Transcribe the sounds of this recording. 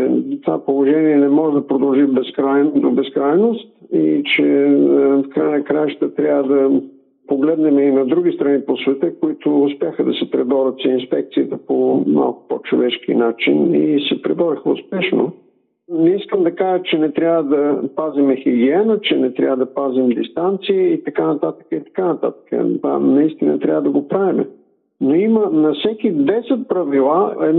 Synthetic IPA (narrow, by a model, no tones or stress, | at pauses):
ɛt̪ovapolˠoʒɛniɛnɛmɔʒɛd̪ɐpɾod̪ɐlˠʒibɛskɾajnd̪obɛskɾajnost̪it͡ʃɛ | fkɾajənɐkɾajʒət̪ət̪ɾʲavəd̪ɐ | poɡlɛd̪nɛmɛinɐd̪ɾuɡ̟ʲist̪ɾɐniposvɛt̪əkoit̪ʊʊspjaxəd̪ɐsɛpɾɛd̪ɔɾət̪səinspɛk̚t̪siət̪əpoma̰lˠkʊ̥pɔt͡ʃo̰vɛʃkḭnat͡ʃinisɛpɾɛb̪ɔɾəxəʊ̰spɛʃno̰ | nɛiskəmd̪ɐkaʒət͡ʃɛnɛt̪ɾʲjavəd̪ɐpazimɛxiɡʲiɛnət͡ʃɛnɛt̪ɾʲa̰vəd̪ɐpazimd̪ist̪ant̪siəit̪ɐkanɐt̪at̪ə̥kəit̪ɐ̥kanɐt̪a̰t̪ə̥kə̰t̪a̰nɐist̪inə̰t̪ɾʲavəd̪ɐɡopɾavimɛ̰ | noimənɐfsɛk̟id̪ɛsɛt̪̚pɾɐvilˠaɛ̰